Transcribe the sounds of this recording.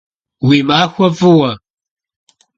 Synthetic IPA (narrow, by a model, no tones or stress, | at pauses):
wiːmaːxʷɐvɨwɐ